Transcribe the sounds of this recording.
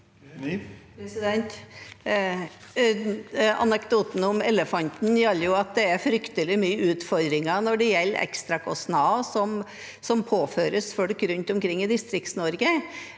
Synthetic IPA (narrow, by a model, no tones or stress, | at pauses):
pɾɛsɪd̪ɛnt̪ | ɑ̰nəkd̪uːt̪n̩ʊmɛləfɑnt̪n̩jɛlːəɾjʊɑt̪̚d̪ɛæɾfɾʏkt̪əlɪmyːʉːt̪fɔɾd̪ɾɪŋɑnɔɖɛjɛlːʔɛ̰kst̪ɾɑkʰɔsnɑːsɔm | sɔmpʰoːføːɾəsfɔɽkɾʉnt̪ʊmkʰɾɪŋːɪd̪ɪst̪ɾɪkt̪snɔɾɡə